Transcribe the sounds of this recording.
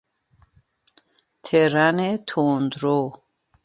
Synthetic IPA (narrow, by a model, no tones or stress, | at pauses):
t̪ʰɛɾanɛt̪ʰoːnd̪ɾo